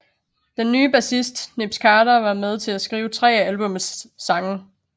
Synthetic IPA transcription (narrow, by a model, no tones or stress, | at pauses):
d̥enːyːb̥æsisd̥neb̥skʰɑ̈ːɾɐʋɑ̈með̞ˠt͡sʰe̝læsɡ̥ʁiːʊt͡sʰʁɛ̰ːælb̥ɔ̽msːɑ̈ŋə